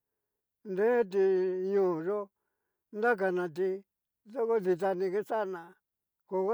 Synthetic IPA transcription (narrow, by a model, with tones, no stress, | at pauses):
nd̪ẽ˦t̪̬i˧ɲũː˦˨ʐo˦ | nd̪a˦k̬a˧nã˧t̪̬i˧ | ðo˦ko˦ði˧t̪̬a˧nĩ˧ke˦sa˦˧nã˧ | ko˧k